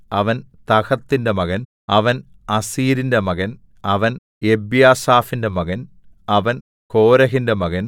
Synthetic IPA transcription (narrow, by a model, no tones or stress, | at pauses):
ɐʋɐnt̪ɐɣɐt̪ːinde̞mɐɣɐn | ɐʋɐn | ɐsiːɾindemɐɣɐn | ɐʋɐn | ebjaːsaːfinde̞mɐɣɐn | ɐʋɐn | ko̞ːɾɐɦinde̞mɐɣɐn